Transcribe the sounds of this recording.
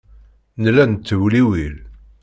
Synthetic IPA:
nlænt̪ːəwliwil

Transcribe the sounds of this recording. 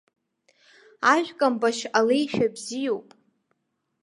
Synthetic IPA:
aʒᶣkʼambaʃalejʃᶣabzijowpʼ

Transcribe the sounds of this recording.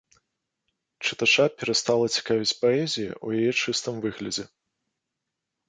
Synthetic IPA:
t͡ʂɨt̪at͡ʂapʲɛɾast̪alˠɐt͡sʲi̥kavʲit͡sʲpaɛzʲijḭʔujajɛt͡ʂɨst̪ɨmvɨɣlʲɐd͡zʲɛ

